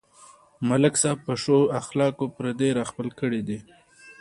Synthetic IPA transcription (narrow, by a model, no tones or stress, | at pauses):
malɪksɑb̚pəʂoaxlɑkopɾad̪eɾɑxpəlkəɽid̪i